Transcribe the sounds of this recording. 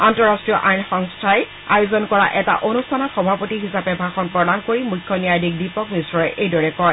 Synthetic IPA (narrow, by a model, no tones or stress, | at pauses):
antɔɹastɹijɔʔajnxɔŋstʰaj | ajozɔnkɔɹaʔɛta̰ʔonustʰanɔxɔbʱapotiɦisapɛbʱaxɔnpɹɔdankoɹimujkʰːɔnijajdik̚dipɔkmisɹɔɛʔejdɔɹɛkɔɹ